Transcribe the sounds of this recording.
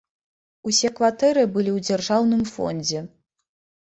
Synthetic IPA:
usʲɛkvat̪ɛɾɨbɨlʲiwd͡zʲarʐawnɨmfɔ̰nʲd͡zʲɛ

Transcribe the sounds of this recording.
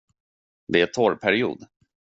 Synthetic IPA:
d̪ɛæt̪ʰɔɾpʰæɾɪṵːd̪

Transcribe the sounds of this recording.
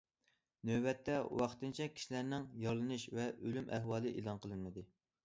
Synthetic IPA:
nøbɛt̪ʰːɛwɑχt̪ɨnt͡ʃʰɛkʲʰi̥ʃilæɾnɪŋjɑɾlˠɨnɨʃvɛølymʔæɦwɑːlˠɨʔḛlˠɑnqʰəlˠɨnmɨd̪ɨ

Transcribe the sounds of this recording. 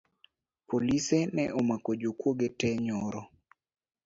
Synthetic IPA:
polisɛnɛʔɔmakod͡ʒokwoɡetɛɲɔɾɔ

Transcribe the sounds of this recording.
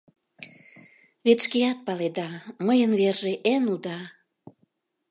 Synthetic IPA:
βet͡ʃkejɑt̪̚pɑled̪ɑməjənβerʒeʔenud̪ɑ

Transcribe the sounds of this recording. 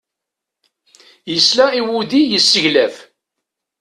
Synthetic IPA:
jəslæiwud̪ijəsːəʝlæf

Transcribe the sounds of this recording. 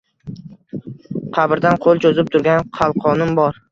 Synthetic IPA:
qʰɑbɪɾd̪anqʰolˠt͡ʃʰozɪp̚t̪ʰʊɾɡʲanqʰɑlˠqʰɒnɪmbɒɾ

